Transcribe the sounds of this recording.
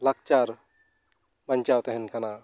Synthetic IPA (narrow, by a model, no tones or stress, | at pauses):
lak̚t͡ʃaɾ | bənt͡ʃawt̪ɛɦɛnkana